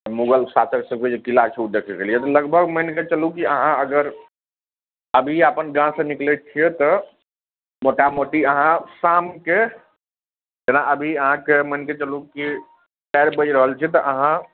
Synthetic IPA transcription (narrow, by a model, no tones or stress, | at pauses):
muɡəlsat͡ʃəksəkbed͡ʒekilat͡ʃʰud̪ekʰɛkelijɛt̪ɔləɡbʱəɡmənket͡ʃəlukiəɦãəɡəɾ | əbʱiapənɡãsə̃niklɛt͡ʃʰijɛt̪ɔ | moʈamoʈiəɦãsamke | d͡ʒenaʔəbʱiəɦãkemənket͡ʃəluki | pɛɾbəd͡ʒɾəɦəlt͡ʃʰɛt̪ɔʔəɦã